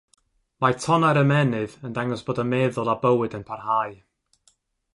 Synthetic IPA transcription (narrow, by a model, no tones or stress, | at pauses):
majtʰɔnaɾəmɛnɨðəndaŋɔsb̥oːdəmɛːðɔlˠabəwɨdənpʰarhaj